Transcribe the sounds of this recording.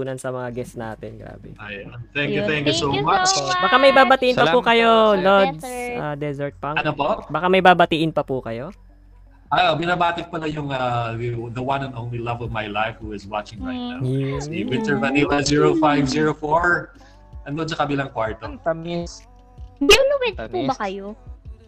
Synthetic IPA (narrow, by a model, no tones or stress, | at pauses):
uːnɐnsɐmɐŋaɡɛst̪na̰ːt̪ɛnɡɾa̰ːbɛ̰ʔajant̪ɛ̃ŋkjut̪ɛŋkjusomat͡ʃbakamɐjbaːbɐt̪iʔɪnpɐpukɐjonod̪̚sʔad̪ɛzɛɹt̪̚pɐŋɐnopoʔbɐkamɐjbaːbɐt̪iʔɪnpɐpukɐjo̞ | ʔaobɪnaːbaːt̪ɪk̚pɐlajʊŋad̪ɐwanɐnʔoʊnlilɐvɔvmajlajfhuɪzwat͡ʃɪ̃ŋmajnasiwɪntɛɹvɐnilɐziɹofajvziːɹofoɹ | ʔɐnːod̪̚sɐkɐbilɐŋkwaɹt̪om | bʊnɐwɛt̪pubɐkɐjo